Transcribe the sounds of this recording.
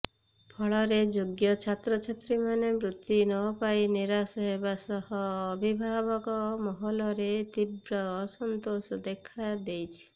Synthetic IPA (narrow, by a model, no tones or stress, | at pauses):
pʰɔɭɔɾed͡ʒoɡjɔt͡ʃʰat̪ɾɔt͡ʃʰat̪ɾimanemɾut̪ːinɔpajniɾasɔɦebasɔɦɔːbʱibʱabɔkɔmɔɦɔlɔɾet̪ibɾɔːsɔnt̪osɔd̪ekʰad̪ejt͡ʃʰi̥